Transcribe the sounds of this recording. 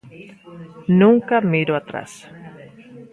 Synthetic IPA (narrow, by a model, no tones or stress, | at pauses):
nũŋkamiɾoat̪ɾa̰s